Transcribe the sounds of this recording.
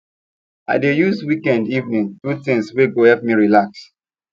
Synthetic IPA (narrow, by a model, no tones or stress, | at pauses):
a̰ɪdejuswikɛ̃ndivnĩŋtutĩŋsweɡohɛp̚miɹilaks